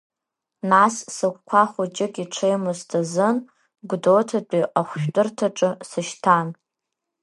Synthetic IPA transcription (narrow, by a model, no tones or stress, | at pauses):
nassɨkʷkʷʰaχʷʊt͡ʃʼɪkʼiʈ͡ʂʰejmɨztʰazɨn | ɡʷdotʰat͡pʼiʔaχʷʃᶣtʼɨrtʰaʈ͡ʂʼɨsɨʃtʰan